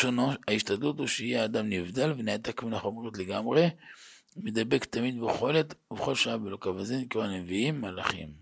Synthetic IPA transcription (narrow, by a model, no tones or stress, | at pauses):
ʃonoaiʃt̪ad̪lut̪huʃeijeaːd̪amnivd̪alveneat̪akmunaχomʁot̪leɡamʁe | med̪abe̞kt̪amid̪̚beχo̞let̪veχo̞lʃaabelokavazinkoʁaneviimːalaχḭm